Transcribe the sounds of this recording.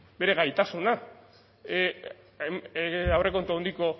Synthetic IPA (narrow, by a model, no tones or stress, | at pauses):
be̞ɾe̞ɣajt̪asuna | awre̞ko̞nt̪oond̪iko̞